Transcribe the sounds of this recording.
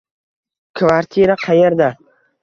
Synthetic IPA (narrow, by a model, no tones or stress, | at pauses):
kʰvaɾt̪ʰiɾaqʰɑjeɾd̪a